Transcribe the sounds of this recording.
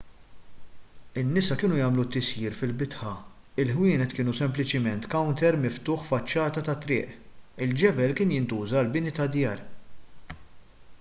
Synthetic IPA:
ɪnːɪsɐkɪːnujɐːmlut̪ːɪsjiːɾfɪlbɪt̪ħɐ | ɪlħwɪːnɛt̪kɪːnusɛmplɪt͡ʃɪmɛnt̪kɐwnt̪ɛɾmɪft̪ʊːħfɐt͡ʃːɐːt̪ɐt̪ɐt̪ɾɪ̰ːʔɪld͡ʒɛbɛlkɪːnjɪnt̪uːzɐlbɪnit̪ɐd̪jɐːɾ

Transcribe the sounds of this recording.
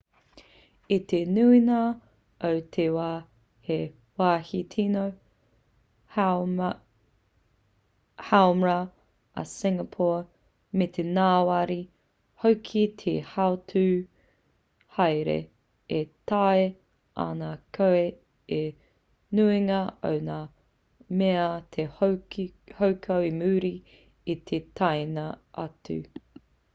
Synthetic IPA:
it̪enuinɐ | ɐwt̪ʰewaː | he | waːhit̪ʰinow | hawmɹɐ | ɐ̰sɪŋɐpʰɔː | met̪ʰenaːwaɾi | howkʰit̪ʰehaotʰʉː | hɐjɾḛ | et̪ae | a̰nakʰoe | e | nuiŋɐo̰wnaː | meɐt̪ʰe | howkʰɐwimʉːɾi | it̪ʰetʰajnɐɐ̰tʉ̰

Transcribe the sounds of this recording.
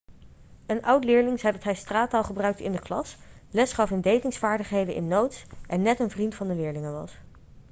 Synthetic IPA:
ənʔʌwtlɪːɹlɪŋzɛjdɑtɦɛjstraːtalˠχəbrœɥk̚təɪndəklɑ̰slɛsχɑfɦəmdejkɪŋsfaːɹdəχɦejdənʔɪ̰nːowtsʔɛnːɛtənvrintfɑndəlɪːɹlɪŋənʋɑ̰s

